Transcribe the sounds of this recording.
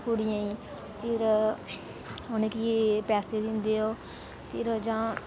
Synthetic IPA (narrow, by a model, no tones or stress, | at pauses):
kuɽɪjãːĩː | pʰɪɾ | oneːkipɛːseːd̪ɪ̃nd̪eːoː | pʰɪɾd͡ʒãː